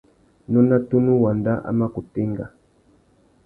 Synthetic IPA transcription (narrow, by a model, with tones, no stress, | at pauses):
nɔ˦na˦tu˦nu˦wa˨nda˦ʔa̰˦ma˦ku˨te˦ŋɡa̰˨